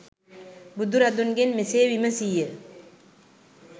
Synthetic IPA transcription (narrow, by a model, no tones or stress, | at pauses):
bud̪uɾɐd̪unɡenmisewiməsijə